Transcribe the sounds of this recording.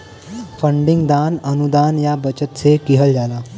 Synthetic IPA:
fəɳɖiŋɡd̪anənud̪anjabət͡ɕət̪t͡sʰekiɦəld͡zala

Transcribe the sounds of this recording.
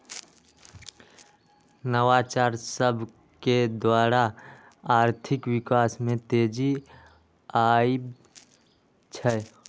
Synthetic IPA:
nəwat͡ʃaɾsəbʱ | ked̪waːɾa | aːɾt̪ʰɪkwɪkaːsmẽt̪eːd͡ʒi | aib | t͡ʃʰɛ

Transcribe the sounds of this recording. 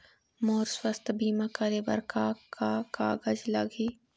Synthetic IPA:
moːɾswɐst̪biːmakɐɾebɐ̰ɾkaːaːkaːɡɐd͡ʒlɐɡiː

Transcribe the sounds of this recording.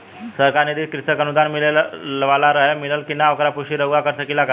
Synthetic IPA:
səɾkaɾned̪ikɾit̪əkənud̪anmilellʋalaɾəɦemiləlkinaːʋkəɾapuɕiɾəɡʋakəɾt̪ʰəkilaka

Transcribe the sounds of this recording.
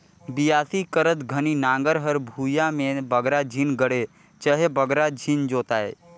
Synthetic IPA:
bijaːsikəɾət̪ɡʱəninãːŋɡəɾɦəɾbʱuːjamẽbəɡɾad͡ʒʱinɡəɽe | t͡ʃəɦebəɡɾad͡ʒʱind͡ʒoːt̪aːḛː

